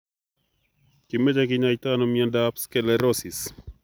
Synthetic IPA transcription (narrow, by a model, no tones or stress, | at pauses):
kimed͡ʒakɪɲajt̪anɔmiɛndapskɛlɛɾɔsis